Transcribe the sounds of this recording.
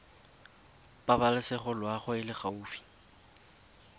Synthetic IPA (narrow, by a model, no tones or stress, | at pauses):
pʼabalɪsɪχʊlwaχʊɪlɪχauːfi̥